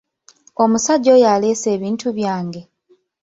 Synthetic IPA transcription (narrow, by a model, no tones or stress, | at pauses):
o̞musaɟːo̞ːjale̞ːse̞ːβiːntʰuβjaːŋɡe̞